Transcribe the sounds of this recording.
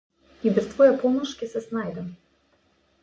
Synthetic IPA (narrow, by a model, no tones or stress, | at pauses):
ibʲɛst̪vɔjɛpɔmɐʂkʲisɐsnajd̪ɐm